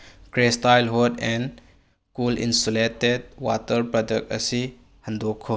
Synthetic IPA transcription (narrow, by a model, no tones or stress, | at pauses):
kɾestajlɦudɛn | kulḭnsoleted̚watɐɾpɾɔdek̚t̚ɐ̰si | hɐndɔkʰːo